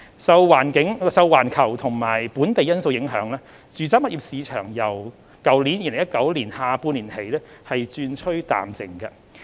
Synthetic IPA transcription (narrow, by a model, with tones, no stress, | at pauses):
sɐ˧wwaː˨˩nkɪ˨˥ŋsɐ˧wːaː˨˩nkʰɐ˨˩wt̪ʰʊ˨˩ŋmaː˨˩jpuː˨˥nt̪e˨jɐ˥nso˧wjɪ˨˥ŋɦœː˨˥ŋlɛː˥ | t͡ʃyː˨˧t͡saː˥mɐ˥t̚ʔiː˧˩p̚siː˨˧t͡ʃʰœː˨˩ŋjɐ˨˩w | kɐ˨˩wli˨˥njiː˧lŋjɐ˥t̚kɐ˨˥wliː˨˩nhaː˧puː˧nliː˨˩nhe˨˥jlɛː˥hɐ˨jt͡ʃyː˧nt͡ʃʰɵ˥ɥt̪a̰ː˨mt͡sɪ̰˨˩ŋkɐ̰˧